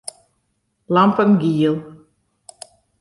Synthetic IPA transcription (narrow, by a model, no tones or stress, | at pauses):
lampənɡiəlˠ